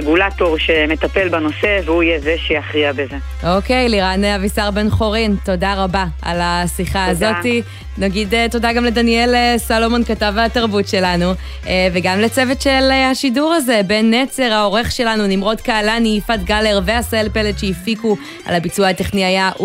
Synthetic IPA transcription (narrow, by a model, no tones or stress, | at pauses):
eɡulato̞ʁʃeme̞t̪ape̞lbano̞se̞veuijezeʃeaχʁiabeze | ʔo̞kejliʁaneavisaʁbe̞nχo̞ʁinto̞daʁabaa̰lasiχaːzo̞ti | naɡideto̞daɡamledanie̞lesalo̞monkatavataʁbutʃe̞lanu | veɡamlet͡se̞vetʃelhaʃiduʁaze̞be̞nːet͡se̞ʁhao̞ʁe̞χʃe̞lanunimʁo̞tkaːlaniːfatɡaleʁveaselpelet̪ʃeifiku | a̰labit͡suahateχniaja